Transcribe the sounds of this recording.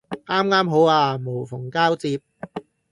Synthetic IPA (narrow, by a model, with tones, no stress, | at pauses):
ʔaː˥mŋaː˥mɦo˨˥waː˧mo˨˩wfʊ˨˩ŋkaː˥wt͡siː˧p̚